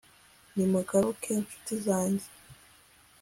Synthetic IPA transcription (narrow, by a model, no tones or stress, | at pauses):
nimuɡaɾukʰenʃu̥tizaːɲɟe